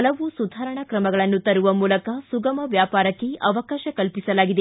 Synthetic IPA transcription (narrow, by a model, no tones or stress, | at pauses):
ɐlɐʋusud̪ʱaːɾɐɳɐkɾɐmɐɡɐɭɐnːut̪ɐɾuʋɐmuːlɐkɐsuɡɐmɐʋjaːpaːɾɐkːe̞ɐʋɐkaːʃɐkɐlpisɐlaːɡid̪e